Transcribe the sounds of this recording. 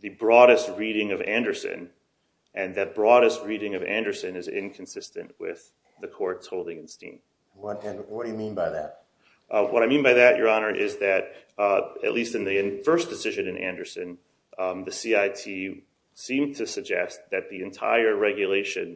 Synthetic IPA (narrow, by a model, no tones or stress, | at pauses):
ðɨbɹɔɾɨst̚ɹiɾɪ̃ŋʌvæ̃ndə˞sɨ̰̃n | ʔɨ̃nðɨt̚b̥ɹɔɾɨst̚ɹiɾɪ̃ŋʌvæ̰̃ndə˞sɨ̃nɨzɪ̰̃nkʰn̩sɪstɨ̰̃nʔwɪ̰ð | ɨkʰɔɹtshoʊlˠdɪ̃ŋɨ̃nstḭ̃m | wʌtɨ̃nwʌt̚d̥ɨjɨmĩnbaɪðæ̰t̚ | ʔwʔʌɾaɪmĩnbaɪðɨt͡ʃə̰˞ɑnə˞ʔɪzðɨɾ | ɨ̰ʔˡlistɨ̃nðiɨ̃nfɜ˞sd̥ɨsɪʒɨ̃nɨ̃næ̰̃ndə˞sɨ̃n | ðɨsiaɪtʰi | sĩmtʰɨsɨɡ̚d͡ʒɛ̰st̪̚ðɨt̪̚ðiɨ̃ntʰa̰ɪə˞ɹɛɡjɨleɪʃɨ̰̃n